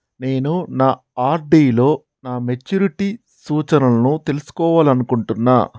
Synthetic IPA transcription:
ne̞ːnunaː | aːɾɖiːlo̞ː | naːmet͡ʃːuɾiʈi | suːt͡ʃɐnɐlɐnut̪e̞lusu̥kɔːʋaːlɐnukuɳʈunːa̰ː

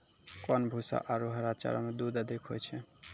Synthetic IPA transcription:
kɔnbʱusa̰ʔaɾuɦəɾat͡ʃa̰ɾɔmed̪ud̪əd̪ʱikʰɦo̰jt͡ʃʰɛ

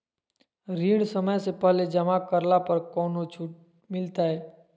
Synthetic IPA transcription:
ɾiːɽ̃səməjsepəɦled͡ʒəmakəɾlapəɾkɔːnot͡ʃʰuʈ | mɪlt̪aɦɛː

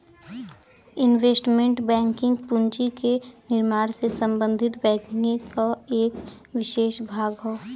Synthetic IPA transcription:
ɪnʋeːsʈmẽɳʈbɛ̃ːŋkɪ̃ŋɡpʊ̃nt͡ʃikenɪɾmaːɾsesə̃mbə̃nd̪ʱɪt̪bɛ̃ːkɪŋɡẽkaeːk | ʋɪʃeːʃbʱaːɡɦoː

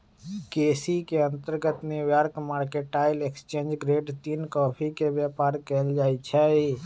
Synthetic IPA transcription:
keːsikeə̃nt̪əɾɡət̪neʋjaɾkəmaːɽkeʈaːɪlekst͡ʃẽːnd͡ʒɡɾeːɖt̪iːnkɔːpʰikeʋjapaːɾkɛːld͡ʒaːjt͡ʃʰɛi

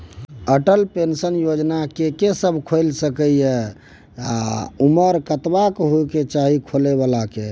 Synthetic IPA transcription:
əʈəlpensənjod͡ʒnakekesəbʱkʰolsəkəjɛ | a̰uməɾkət̪bakɦoket͡ʃaɦikʰoleβalake

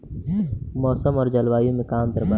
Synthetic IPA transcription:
mɔːsəmɔːɾd͡ʒɐlʋaːjõmẽkaːmd̪əɾba

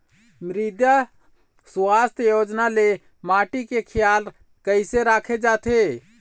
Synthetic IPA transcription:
mɾid̪ja | suast̪jod͡ʒnale | maʈikekʰɪjal | kəɪseɾakʰed͡ʒaːt̪ʰe

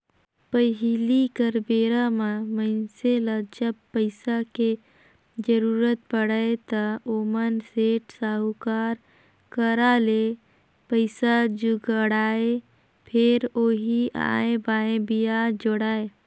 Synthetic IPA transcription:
pəɦilikəɾbeːɾamaməɪnseləd͡ʒəb̚pəɪsake | d͡ʒəɾuːɾət̪̚pəɽəet̪əoːmənseːʈsaːɦukaːɾ | kəɾale | pəɪsad͡ʒuɡəɽaːe | pʰɪɾoːɦia̰ːẽbaːẽbijad͡ʒoɽaːe

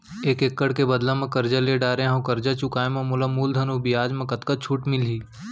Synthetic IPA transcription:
eːkekːəɽkebɐd̪lãmɐ̃kɐɾd͡ʒaleɖaːɾẽɦɐ̃wkɐɾd͡ʒat͡ʃʊkaːemɐ̃mʊlamuːld̪ʱɐnubʱiaːd͡ʒmɐ̃kɐt̪kət͡ʃʰuːʈmɪliː

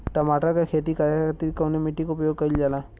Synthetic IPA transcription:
ʈɐmaːʈakakʰeːt̪ikaːɾjaəɾt̪ɾikaʊnemɪʈːikoʊpəjoːɡ̚kɐɾild͡ʒaːlaː

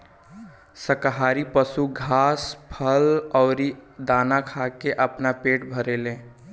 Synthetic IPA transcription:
səkɦaɾipəsuɡʱaːspʰəlɔʊɾid̪anakʰakeʔəpnapeːʈbʱəɾelẽː

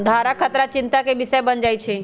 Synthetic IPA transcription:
d̪ʱaɾakʰət̪ɾat͡ʃɪnt̪akebɪsəebənd͡ʒajt͡ʃʰe

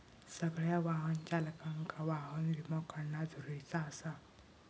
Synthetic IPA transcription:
səɡɭjaʋaɦənt͡ʃaləkaŋkaʋaɦənɾimɔkəɾnad͡zʱuɾujt͡saːsa

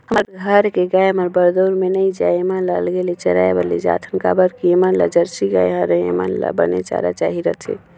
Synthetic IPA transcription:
ɦəməɾɡʱəɾkeɡajməɾbəɾd̪oɾmenəid͡ʒajemanlalɡelet͡ʃəɾaebəlḭd͡ʒa̰t̪ʰənkabəɾkiemanla̰d͡ʒəɾsiɡajɦəɾəḛma̰nla̰bə̰nḛt͡ʃa̰ɾat͡ʃaɦiɾət̪ʰḛ

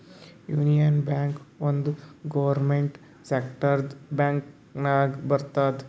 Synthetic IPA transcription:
juːnijənbaːŋkʋond̪ɡoʋɐɾmeɳʈ | sekʈəɾd̪baːŋk | naːɡbɐɾt̪aːt̪

